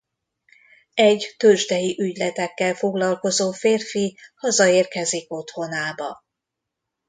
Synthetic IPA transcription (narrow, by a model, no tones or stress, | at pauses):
ɛɟt̪øʒd̪ɛjiʔyɟlɛt̪ɛkːɛlfo̞ɡlɒlko̞zoːfeːrfihɒzɒeːrkɛziko̞t̪ho̞naːbɒ